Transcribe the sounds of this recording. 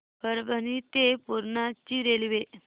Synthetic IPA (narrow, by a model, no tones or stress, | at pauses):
pəɾbʱənit̪epuɾɳat͡ɕiːɾelʋe